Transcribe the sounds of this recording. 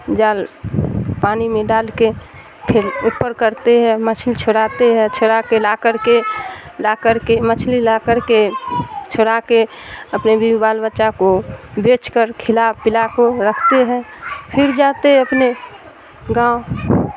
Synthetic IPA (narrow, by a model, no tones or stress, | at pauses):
d͡ʒaːl | paːnimẽɖaːlke | pʰɪɾupːəɾkəɾt̪eɦɛmət͡ʃʰlit͡ʃʰoɽat̪eɦɛ̃t͡ʃʰoɾakelakəɾkelakəɾkemət͡ʃʰlilakəɾket͡ʃʰoɽake | əpnebibibaːlbətːʃakobet͡ʃkəɾkʰɪlapɪlakoɾəkʰt̪eɦɛ̃pʰɪɾd͡ʒat̪eɦəpne | ɡãːo